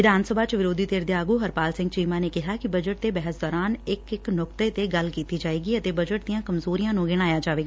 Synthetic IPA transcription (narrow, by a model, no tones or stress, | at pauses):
ʋɪd̪ʱaːnsəbʱaːt͡ʃʋɪɾoːd̪iːt̪eːɾd̪eːaːɡuːɦəɾpaːlsɪ̃ŋɡt͡ʃiːmaːneːkɪɦaːkɪbəd͡ʒəʈ̚t̪eːbɛːɦəsd̪ɔːɾaːnɪkɪknʊkt̪ət̪eːɡəlkiːt̪iːd͡ʒaːeːɡiːət̪eːbəd͡ʒəʈ̚d̪ɪijãːkəmzoːɾijãːnũːɡɪɽ̃aːjaːd͡ʒaːʋeːɡaː